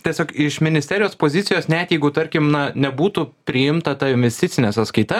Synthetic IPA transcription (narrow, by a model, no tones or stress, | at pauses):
t̪ʲiɛsʲoːkɪʃmʲɪnʲɪstʲɛːɾʲɪjoːspoːzʲɪt̪sʲɪjoːsnʲɛt̪ʲjɛɪɡʊt̪ɐɾʲkʲɪmnɐnʲɛbuːt̪uːpʲɾʲɪjɪmt̪ɐt̪ɐɪnʲʋʲɛsʲt̪ʲɪtsʲɪnʲɛsɐt̪skɐɪt̪ɐ